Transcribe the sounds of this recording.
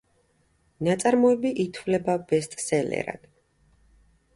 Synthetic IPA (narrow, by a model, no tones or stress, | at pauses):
nat̪sʼaɾmɔɛbiʔit̪ʰvlɛbab̥ɛst̪ʼsɛlɛ̰ɾa̰d̪̥